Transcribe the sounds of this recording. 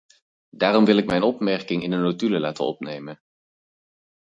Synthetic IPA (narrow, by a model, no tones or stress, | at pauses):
daːrɔmʋɪlˠɪkmɛjnɔpmɛɹkɪŋɪnənotyləlaːtənɔ̰pnejmən